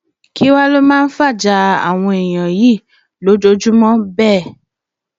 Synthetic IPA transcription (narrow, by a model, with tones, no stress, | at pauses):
ki˦wa˦lo˦mãː˦˧n̩˦fa˦˨d͡ʒa˧a̰˨w̃ɔ̃˧e˨j̃ã˨ji˦˨ | lo˨˦d͡ʒo˦d͡ʒu˦mɔ̃˦bɛː˦˨